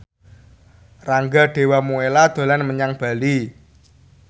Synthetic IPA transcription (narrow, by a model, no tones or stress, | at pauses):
raŋɡaɖ̥e̤wamuelad̪̥o̤lanməɲaŋb̥a̤li